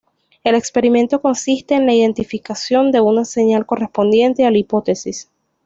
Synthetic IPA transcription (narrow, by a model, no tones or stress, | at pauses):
e̞le̞kspe̞ɾime̞nt̪o̞ko̞nsist̪e̞ːnlaiðe̞nt̪ifikasjo̞nd̪e̞unase̞ɲalko̞re̞spo̞nd̪je̞nt̪e̞alipo̞t̪e̞sis